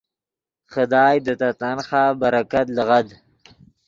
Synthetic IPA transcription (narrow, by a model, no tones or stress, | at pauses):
χəd̪ɑːjd̪ət̪at̪anxaːbaɾakat̪ləɣad̪